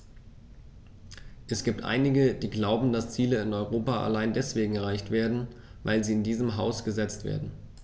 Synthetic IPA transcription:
ʔɛsɡ̥iːp̚tʔa̰ɪnɪɡəd̥iːɡlaʊbm̩dast͡siːləɪnɔʏʁ̞oːpaʔa̰laɪndɛsv̥eːɡŋ̩ɛʁ̞aɪçtv̥eːɐdn̩ | va̰ɪlziːɪndiːzəmɦaʊsɡ̥əzɛt͡stv̥ḛːɐdn̩

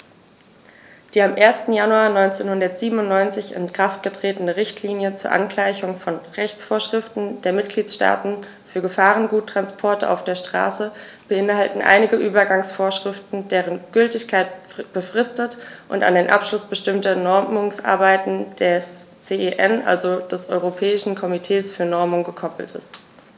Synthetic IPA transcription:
d̥iːamʔeːɐstn̩januaːnɔʏnt͡seːnhʊndɐtz̥iːbəm̩ʊntnɔʏnt͡sɪçɪ̰nkʁ̥aft̚ɡ̥ətʁ̥eːtənəʁɪçtʰliːnjət͡suːɐʔa̰nklaɪçʊŋfɔnʁɛçt͡sfoːɐʃʁ̥ɪftn̩deːɐmɪt̚ɡ̥liːt͡sʃta̰ːtn̩ | fyːɐɡəfaːʁənɡuːtːʁ̥anspʰɔɐtəʔa̰ʊfd̥eːɐʃtʁ̥a̰ːsə | b̥əʔɪnhaltn̩ʔa̰ɪnɪɡəʔyːbɐɡaŋsfoːɐʃʁ̥ɪftn̩deːʁənɡ̥ʏltɪçkʰaɪtb̥əfʁ̥ɪstətʔʊ̰nta̰ndeːnʔa̰pʃlʊsb̥əʃtɪmtɐnɔɐmʊŋsʔa̰ɐbaɪtn̩d̥ɛst͡seʔeʔɛnʔa̰lzod̥ɛsʔɔ̰ʏʁopʰɛːɪʃn̩kʰɔmitʰeːsfyːɐnɔɐmʊŋɡəkʰɔpl̩tʰɪ̰st

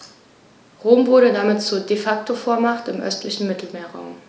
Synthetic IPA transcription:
ʁoːmvʊɐɾədamɪtt͡suːɐdefak̚tʰofoːɐmaχtɪmʔœ̰stlɪçn̩mɪtl̩meːɐʁa̰ʊm

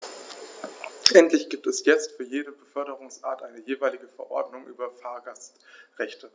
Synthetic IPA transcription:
ʔɛntʰlɪçɡ̥iːp̚tɛsjɛt͡stfyːɐjeːɾəbəfœɐɾəʁʊŋsʔa̰ːtʔaɪnəjeːvaɪlɪɡəfɛɐʔɔɐdnʊŋʔyːbɐfaːɐɡastʁɛçtʰə

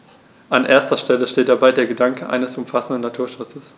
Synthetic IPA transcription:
ʔanʔeːɐstɐʃtɛləʃteːt̚d̥abaɪdeːɐɡədaŋkəʔa̰ɪnəsʊmfasn̩dn̩natʰuːɐʃʊt͡səs

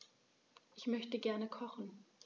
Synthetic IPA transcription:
ʔɪçmœçtəɡɛɐnəkʰɔχn̩

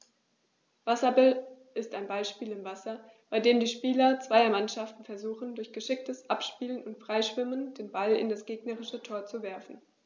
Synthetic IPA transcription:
v̥asɐbɪl | ʔɪstaɪnbaɪlʃpiːlɪmvasɐb̥aɪdeːmdiːʃpiːlɐt͡sv̥aɪɐmanʃaftn̩fɛɐzuːχn̩dʊɐçɡ̥əʃɪk̚təsʔapʃpiːlənʊntfʁ̥aɪʃv̥ɪmənd̥eːnbalɪ̰ndasɡ̥eːɡnəʁɪʃətʰoːɐt͡suvɛɐfn̩

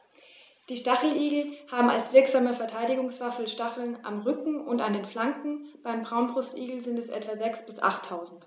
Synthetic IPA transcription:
d̥iːʃtaχl̩ʔiːɡl̩haːbm̩a̰lsv̥ɪɐkz̥aːməfɛɐtʰaɪdɪɡʊŋsv̥afl̩ʃtaχl̩nʔa̰mʁʏkŋ̩ʊntandeːnflaŋkŋ̩b̥aɪmbʁaʊnbʁʊstʔiːɡl̩zɪntɛsʔɛ̰tv̥azɛksb̥ɪsʔa̰χtʰːaʊzn̩t

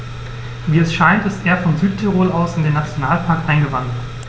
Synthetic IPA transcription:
viːɛsʃaɪntɪstʔeːɐfɔnzyːt̚tʰɛʁoːlaʊsɪndeːnːat͡sjonaːlpʰaɐkʔaɪnɡəvandt

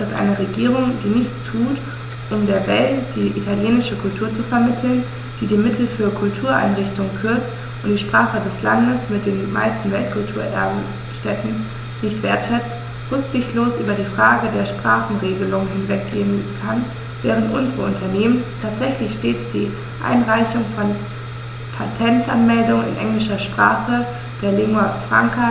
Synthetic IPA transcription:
d̥asʔa̰ɪnəʁeɡiːʁ̞ʊŋdiːnɪçt͡stʰuːt | ʔʊmdeːɐvɛltd̥iːʔitʰaljeːnɪʃəkʰʊltʰuːɐt͡sufɛɐmɪtʰl̩n | d̥iːdiːmɪtʰl̩fyːɐkʰʊltʰuːɐʔa̰ɪnʁɪçtʊŋkʰʏɐt͡st | ʔʊntd̥iːʃpʁ̥aːχədɛsla̰ndəsmɪt̚d̥eːnma̰ɪstn̩vɛlt̚kʰʊltʰuːɐʔɛ̰ɐbm̩ | ʃtɛtn̩ | nɪçtv̥eːɐtʃɛt͡st | ʁʊkz̥ɪçtloːsʔyːbɐdiːfʁ̥aːɡədeːɐʃpʁ̥aːχn̩ʁeːɡəlʊŋəɦɪnvɛk̚leːnkʰan | vɛːʁəntʔʊnzəʁəʊntʰɐneːməntʰaːtz̥ɛçlɪçʃteːt͡sd̥iː | ʔa̰ɪnʁaɪçʊŋfɔn | pʰatʰɛntʔanmɛldʊŋənɪ̰nʔɛ̰ŋlɪʃɐʃpʁ̥a̰ːχə | d̥eːɐleːmafʁ̥a̰ŋkʰa

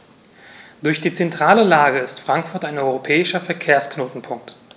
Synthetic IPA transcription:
d̥ʊɐçd̥iːt͡sɛntʁ̥aːləlaːɡəɪstfʁ̥aŋkfʊɐtaɪnʔɔʏʁopʰɛːɪʃɐfɛɐkʰeːɐsknoːtn̩pʰʊŋk̚t

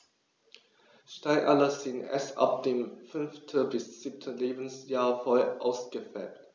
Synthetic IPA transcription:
ʃtaɪʔalɐzɪnʔɛ̰sʔa̰p̚d̥eːmfʏnftʰəbɪsz̥iːp̚tʰəleːbn̩sjaːɐfɔlʔa̰ʊsɡ̥əfɛːt

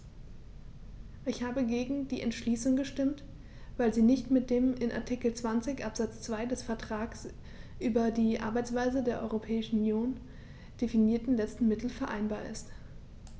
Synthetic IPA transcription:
ʔɪçhaːbəɡeːɡŋ̩diːʔɛ̰ntʃliːsʊŋɡəʃtɪmt | vaɪlziːnɪçtmɪt̚d̥eːmɪnʔa̰ɐtʰikl̩t͡sv̥ant͡sɪçʔapz̥at͡st͡sv̥aɪdɛsfɛɐtʁ̥aːks | ʔyːbɐdiːʔa̰ɐbaɪt͡sv̥aɪzədeːɐʔɔ̰ʏʁopʰɛːɪʃn̩unjoːn | d̥efiniːɐtn̩lɛt͡stn̩mɪtl̩fɛɐʔa̰ɪnbaːɐʔɪ̰st

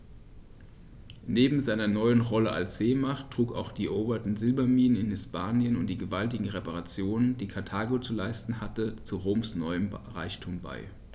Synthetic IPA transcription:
neːbm̩zaɪnɐnɔʏənʁɔləʔa̰lsz̥eːmaχtʁ̥uːka̰ʊxd̥iːɛʔoːbɐtn̩zɪlbɐmiːnənɪnhɪspaːnjənʊnt̚d̥iːɡəvaltɪɡŋ̩ʁepaʁat͡sjoːnənd̥iːkʰaɐtʰaːɡot͡sulaɪstn̩ɦatət͡suʁoːmsnɔʏəmʁaɪçtʰuːmba̰ɪ

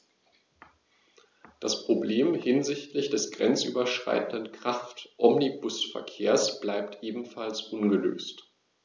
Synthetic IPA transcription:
d̥aspʁ̥obleːmhɪnzɪçtlɪçd̥ɛsɡ̥ʁɛnt͡sʔy̰ːbɐʃʁ̥a̰ɪtn̩dənkʁ̥aftʔɔmnibʊsfɛ̰ɐkʰeːɐsb̥laɪptʰʔeːbm̩falsʔʊnɡəlø̰ːst

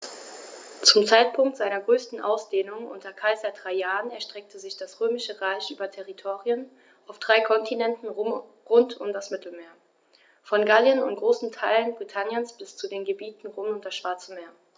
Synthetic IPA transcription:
t͡sʊmt͡saɪt̚pʰʊŋk̚tz̥aɪnɐɡʁøːstn̩ʔa̰ʊsd̥eːnʊŋʔʊ̰ntʰɐkʰaɪzɐd̥ʁaɪjaːʁənɛɐʃtʁ̥ɛk̚tʰəzɪçd̥asʁ̥øːmɪʃəʁaɪçʔyːbɐtʰɛʁitʰoːʁiən | ʔaʊfd̥ʁaɪkʰɔntʰinɛntn̩ | ʁʊntʊ̰mdasmɪtʰl̩meːɐ | fɔnɡaljənʊntɡ̥ʁoːsn̩tʰaɪlənbʁitʰanjənsb̥ɪst͡sudeːnɡəbiːtn̩ʁoːmʊntd̥asʃv̥aɐt͡səmeːɐ

